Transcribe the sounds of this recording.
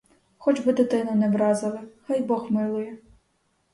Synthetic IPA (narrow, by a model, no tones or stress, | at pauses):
xɔt͡ʃbɪd̪ɪt̪ɪnɐnɛʋɾɑzɐlˠɪxɑjbɔxmɪlˠʊjɛ